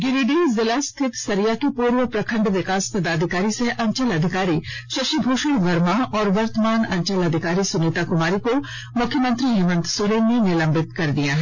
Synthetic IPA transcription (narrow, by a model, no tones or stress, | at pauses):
ɡɪɾiːɖeːzɪlaːst̪ʰɪt̪sɐɾijakepuːɾʋəpɾɐkʰə̃ɳɖʋɪkaːspɐd̪aːd̪ʱɪkaːɾiseʔɐ̃ɲt͡ʃəlɐd̪ʱɪkaːɾi | sɐʃibʱoːʃəɽb̪ɐɾmaɔːɾʋɐɾt̪əmaːnɐ̃ɲt͡ʃəlɐd̪ʱɪkaːɾisʊnɪt̪akʊmaːɾiko | mʊkʰːjəmə̃nt̪ɾijuʋə̃nt̪sʊɾeːnːenɪlɐ̃mbɪt̪kɐɾd̪ijaɦɛː